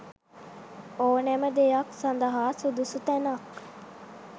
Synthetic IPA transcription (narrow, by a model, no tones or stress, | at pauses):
oːnɛməd̪ejaksand̪əɦaːsud̪usut̪ænak